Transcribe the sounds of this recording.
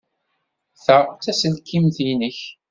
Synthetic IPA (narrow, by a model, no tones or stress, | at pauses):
θəʁt͡sːæsəlkʰːimθinəç